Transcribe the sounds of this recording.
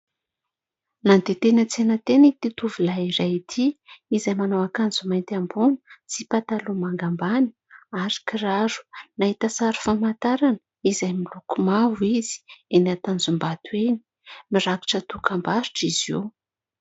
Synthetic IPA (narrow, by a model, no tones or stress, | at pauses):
nand̪et̪enət͡senət̪enit̪it̪uvilaiɾajit̪ʰiizajmanowakanzumajnt̪ambunə̥t͡sipat̪alumaŋɡambani̥ | aɾi̥kiɾaɾu̥naɦit̪asaɾu̥famant̪aɾanə | izajmilukumavwiz̥i̥enat̪and͡zumbat̪ueni̥ | miɾaki̥ʈ͡ʂət̪ukambaɾiʈ͡ʂizḛw